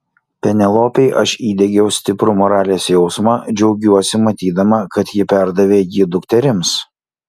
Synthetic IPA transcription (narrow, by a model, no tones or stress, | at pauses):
pʲɛnʲɛlˠoːpʲɛɪʔɐʃiːd̪ʲɛɡʲɛʊsʲt̪ʲɪpɾʊmɔɾɑːlʲeːsjɛʊsmɑd͡ʒʲɛʊɡʲuɔsʲɪmɐt̪ʲiːd̪ɐmɐkɐt̪jɪpʲæˑɾd̪ɐʋʲeːjɪd̪ʊkt̪ʲɛɾʲɪms